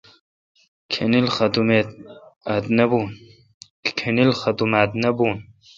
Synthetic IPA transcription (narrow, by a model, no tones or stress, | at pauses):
kʰenilxɐd̪ume | ad̪nɐbun | kʰenilxɐd̪umad̪nɐbuːn